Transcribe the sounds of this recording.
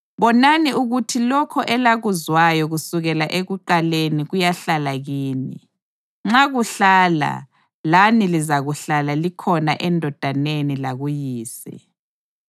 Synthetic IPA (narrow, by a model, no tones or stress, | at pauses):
βɔnaniʔuɣutʰilɔkʰɔʔɛlaɣuzwajɔɣusuɣɛlaʔeɣuǃaleniɣujaɬalaɣiːni | ŋ͡ǁaɣuɬaːla̰ | lanilizaɣuɬalalikʰɔnaʔɛndʱɔd̥ʱanenilaɣujiːsɛ̰